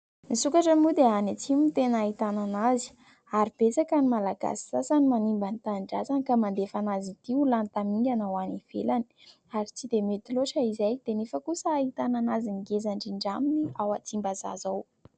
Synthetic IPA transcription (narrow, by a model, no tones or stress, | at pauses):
misukaʈ͡ʂəmud̪eanat͡simit̪enait̪ananazi̥ | aɾib̥et͡sakanimalaɡ̥a̰si̥sasanimanimbanit̪aɳɖ͡ʐazankamand̪efanazit̪iulant̪amiŋɡʲanawaniv̥elani̥ | aɾit͡sid̪emet̪iloʈ͡ʂəizajd̪̥enefəkusəːit̪ananaziniɡezaɳɖ͡ʐiɳɖ͡ʐaminiawat͡simbaza̰zaw